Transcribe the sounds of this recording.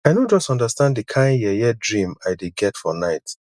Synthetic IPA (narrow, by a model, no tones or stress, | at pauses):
ajdõnd͡ʒɔstɔ̃ndəstãndikʰãɪ̃njɛjɛdɹĩmaɪdeɡɛtfɔ̰naɪt